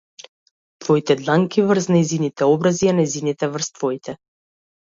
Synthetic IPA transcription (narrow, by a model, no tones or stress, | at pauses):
t̪vɔit̪ɛd̪lˠaŋkivɾsnɛjzinit̪ɛɔbɾazianɛjzinit̪ɛvərɾst̪vɔit̪ʰɛ